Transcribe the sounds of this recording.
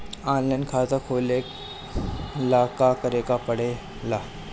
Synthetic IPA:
aːnlajnkʰad͡zakʰoːlek | lakakəɾekapəɽe | la

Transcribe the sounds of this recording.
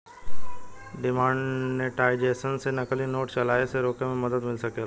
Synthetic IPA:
ɖɪmãːɳɖneʈaːɪd͡ʒeːsənsenɐkəlinoːʈt͡ʃɐlaːeseɾoːkẽmẽmɐd̪əd̪mɪlsɐkelː

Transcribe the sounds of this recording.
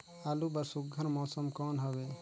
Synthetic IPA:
alubɐɾsuɡʱəɾmɔːsɔmkɔnɦɔbe

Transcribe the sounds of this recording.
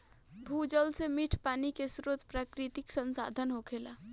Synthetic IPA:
bʱud͡ʒəlsemiʈʰpaːnikesʊɾət̪pɾaːkɾɪt̪ɪksə̃nsa̰ːd̪ʱənɦokʰeːlaː

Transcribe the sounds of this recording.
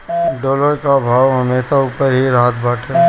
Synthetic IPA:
ɖoːləɾkabʱaːʋɦɐmeːʃauːpəɾɦiɾaːt̪bʱaːʈʰe

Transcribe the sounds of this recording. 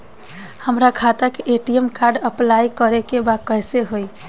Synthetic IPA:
həmɾakʰat̪akeʔeʈiemkaɾɖəplajkəɾekebakəjseɦoj

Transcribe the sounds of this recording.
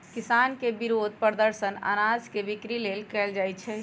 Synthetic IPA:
kɪsaːnkebiɾod̪̚ʱpəɾd̪əɾsəna̰ːnazkeʋikɾileːlkɛld͡ʒaːjt͡ʃʰɛ

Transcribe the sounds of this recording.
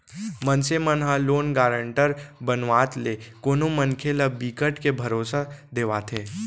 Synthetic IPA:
mənsemənɦaloːnɡaːɾə̃ɳʈəɾbənʋaːt̪lekoːnomənkʰeləbiːkəʈkebʱɐɾoːsad̪eːʋaːt̪ʰeː

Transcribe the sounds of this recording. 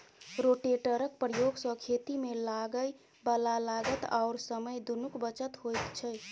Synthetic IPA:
ɾoʈeʈəɾək̚pɾəjoɡsə̃kʰet̪imelaɡəj | bəlalaɡət̪a̰ʊɾsəməjd̪unukbət͡ʃət̪ɦojt̪t͡ʃʰəj

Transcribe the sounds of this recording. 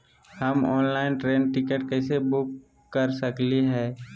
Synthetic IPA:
həmɔ̰ːnlaːɪnʈɾeːnʈɪkeʈkɛːsebʊkː | əɾsəkliɦɛː

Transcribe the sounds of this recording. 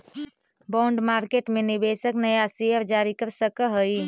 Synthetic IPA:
baɳɖmaɾkeʈmenibesəknəjasiəɾd͡ʒaɾikəɾsəkəɦəj

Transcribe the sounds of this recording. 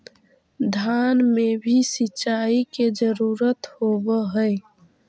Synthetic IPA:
d̪ʱaːnmebʱisɪt͡ʃaːiked͡ʒəɾuːɾət̪hobəɦəe

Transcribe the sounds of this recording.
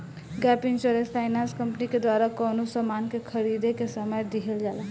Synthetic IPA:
ɡapiŋsoɾespʰajnanskʌmpniked̪waɾakɔnosəmankekʰəɾid̪ekesəməjd̪iɦeld͡ʒala

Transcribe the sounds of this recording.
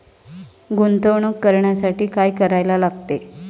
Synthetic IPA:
ɡunt̪əwɳəkːəɾɳjasaʈiːkajkəɾajlalaɡt̪e

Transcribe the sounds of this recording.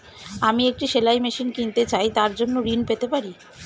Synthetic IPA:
amiek̚ʈiʃelajmeʃinkint̪et͡ɕajt̪aɾd͡ʑonːoɾinpet̪epaɾi

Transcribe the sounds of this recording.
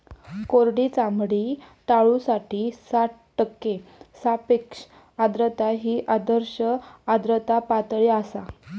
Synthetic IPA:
koɾɽit͡samɽiʈ̪aɭusaʈiːsaʈʈəkːesapekʂ | ad̪ɾət̪aɦiːʔad̪əɾɕəad̪ɾət̪apat̪ɭeasa

